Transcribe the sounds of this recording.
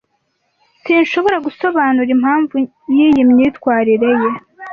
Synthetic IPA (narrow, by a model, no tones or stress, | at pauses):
siːnʃo̞βo̞ɾaɡuso̞βaːnuɾimhaːɱvu | jijimɲiːtkwaːɾiɾe̞je̞